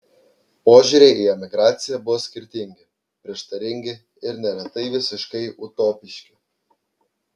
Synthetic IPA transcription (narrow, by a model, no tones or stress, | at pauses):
poːʒʲuɾʲeɪiɛmʲɪɡɾɑːt̪sʲɪjɛbʊʋoːsʲkʲɪɾʲt̪ʲɪŋʲɡʲɪ | pʲɾʲɪɛʃt̪ɐɾʲɪŋʲɡʲɪ | ɪɾnʲɛlʲɛt̪ɐɪʋʲɪsʲɪʃkɐɪʔʊt̪oːpʲɪʃʲkʲɪ